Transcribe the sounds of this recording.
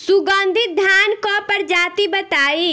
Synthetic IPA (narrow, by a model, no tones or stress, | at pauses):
sʊɡãːnd̪ʱɪt̪̚d̪ʱaːnkopɐɾd͡ʒaːt̪ibɐt̪aːi